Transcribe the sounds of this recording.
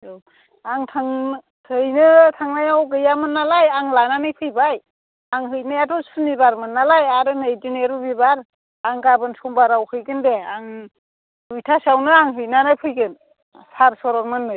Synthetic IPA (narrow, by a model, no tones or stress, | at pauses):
aŋtʰaŋ | tʰɯjnɯtʰaŋnajawɡɯjamɯnːalajaŋlananɯjpʰɯjbaj | aŋɦɯjnajatʰɔsunibaɾmɯnːalajaɾɯnajdineɾubibaɾ | aŋɡabɯnsɔmbaɾawhɯjɡɯndeaŋ | ujtʰasawnɯaŋɦɯjnanajpʰɯjɡɯn | saɾsɔɾɔkmɯnːɯj